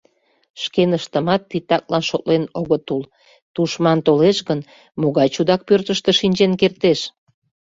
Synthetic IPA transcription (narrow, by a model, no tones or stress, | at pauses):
ʃkenəʃt̪əmɑt̪ːit̪ːɑk̚lɑnʃot̪lenoɣət̪ul | t̪uʃmɑnt̪oleʃɣən | moɣɑjt͡ɕud̪ɑk̚pørt̪əʃt̪əʃinʲd͡ʑenkert̪eʃ